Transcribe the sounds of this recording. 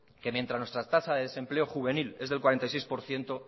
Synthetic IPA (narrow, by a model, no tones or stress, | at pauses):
ke̞mjent̪ɾaznwest̪ɾat̪asaðeðese̞mple̞oxuβe̞nile̞zðelkwaɾent̪ajsejspo̞ɾθje̞nt̪o̞